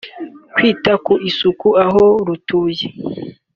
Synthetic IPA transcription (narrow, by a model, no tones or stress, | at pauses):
kwiːtakuisukuaɦoɾutuːje